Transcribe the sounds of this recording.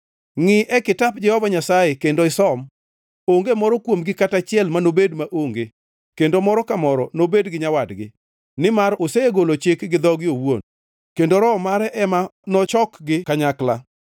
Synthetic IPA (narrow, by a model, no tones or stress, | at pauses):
ŋɪʔɛkɪtap̚d͡ʒɛhɔvaɲasajekendoɪsɔm | oŋɡemɔɾɔkwomɡɪkatat͡ʃɪɛlmanobedmaʔoŋɡe | kendomɔɾɔkamɔɾɔnobedɡɪɲawadɡɪ̰ | nɪmaɾoseeɡolot͡ʃɪkɡɪd̪ɔɡɪowo̰n | kendoɾɔmaɾɛʔɛmanɔt͡ʃɔkɡɪkaɲakla̰